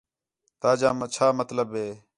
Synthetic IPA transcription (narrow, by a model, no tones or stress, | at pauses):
t̪aːd͡ʒaːmət͡ʃʰaːmət̪ləbɦeː